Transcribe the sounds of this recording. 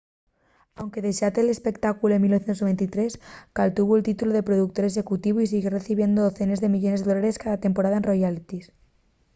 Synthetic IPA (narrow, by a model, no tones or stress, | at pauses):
awŋke̞ðeʃat̪eːle̞spe̞kt̪akuloemilnoθjet̪osnβent̪it̪ɾe̞skalt̪uβult̪it̪uloðe̞pɾo̞ðukt̪o̞ɾe̞s̬e̞kut̪iβuis̬iɣere̞θiβje̞nd̪ooθe̞ne̞zðe̞miʎo̞nezðeo̞laɾe̞skaðat̪e̞mpo̞ɾaðaenro̞jalit̪is